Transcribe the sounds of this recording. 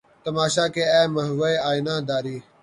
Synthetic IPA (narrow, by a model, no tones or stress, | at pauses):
t̪əmaːʃaːkeːɛːməɦʋəjaːinãːd̪aːɾiː